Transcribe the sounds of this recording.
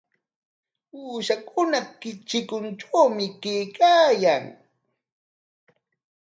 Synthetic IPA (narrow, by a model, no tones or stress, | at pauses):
uːʃakʊnakɪt͡ʃɪkʊnʈ͡ʂawmɪkejkaːjaŋ